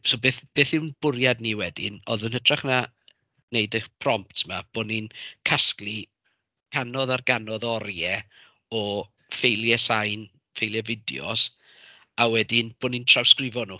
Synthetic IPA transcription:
sobeːθb̥eːθɪwnb̥ʊɾjadniwɛdɪ̰nɔ̰ðənətʰraχna | nejdəpʰrɔmptʰmab̥oːninkʰasklˠi | kʰanɔðarɡanɔðɔɾjɛ | ɔ | fejlˠjɛsajn | fejlˠjɛvɪdj̰ɔ̰s | awɛdɪnb̥oːnintʰr̥awskrɪvɔnu

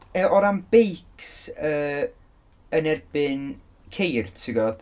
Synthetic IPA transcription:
əʔɔɾamb̥ejksəː | ənɛrb̥ɨn | kʰejrtʰɪɡɔd̥

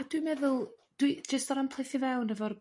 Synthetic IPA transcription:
adwimɛðʊlˠd̥wid͡ʒəstɔɾampʰl̥ˠejθivɛwnəvɔr

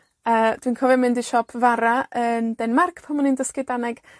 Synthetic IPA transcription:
əːd̥winkʰɔvɛmɪndiʃɔpʰvaɾaəndɛnmarkʰpʰɔmɔnindəskɪdanɛɡ̥

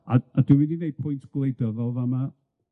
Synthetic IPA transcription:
aaduwininejd̥̚pʰʊjntʰɡ̥lˠejdəvɔlˠvama

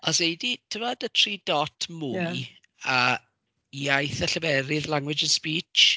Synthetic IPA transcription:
ɔsejditʰəvɔdətʰriːdɔtʰmuj | a | iajθəɬəvɛɾɪðlˠaŋwɪd͡ʒənspiːt͡ʃ

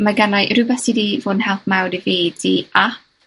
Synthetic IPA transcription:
maɡanajʔrɨbɛsidivʊnhɛlˠpmawɾiveːdiʔa

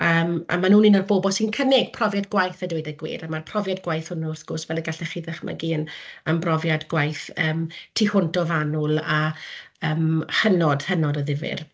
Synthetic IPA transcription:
əːma̰manuːninɔrboːbɔsinkʰənɪɡ̥̚pʰrɔvjadɡwajθədejdaɡwḭːɾamarpʰrɔvjadɡwajθʊnʊrθɡ̥ʊsvɛləɡaɬɛχiðɛχma̰ɡiːənənbrɔvjadɡwajθəːmtʰihʊntɔvanʊlˠaəːmhənɔd̥hənɔdəðɪvɪ̰r

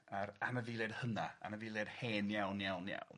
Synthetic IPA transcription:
aɾanəviːlˠed̥hənaa̰nəviːlˠed̥heːnjawnjawnja̰wn

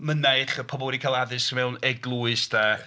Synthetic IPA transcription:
məneɨχəpʰɔbɔlˠwɛdikʰalˠaðɨsəmɛwnɛɡlˠuɨsdaː

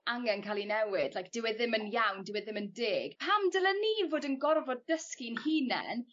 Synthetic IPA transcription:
aŋɛnkʰaːlˠinɛwɪd̥lajk̚d̥ɪwɛðɪmənjawndɪwɛðɪməndeːɡ̥pʰamdəlˠɛniːvoːdənɡɔrvɔd̚əskinhiːnɛ̰n

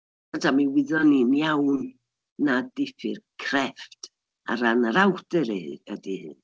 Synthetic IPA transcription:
adʰamiwɪðɔninjawnː | adɪfɨ̰rkʰrɛft | a̰ɾanaɾawdɛɾeadihɨ̰n

